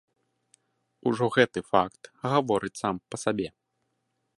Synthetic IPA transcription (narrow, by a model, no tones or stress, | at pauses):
uʐɔɣɛt̪ɨfakt̪ɣavɔɾɨt͡sʲsampɐsabʲɛ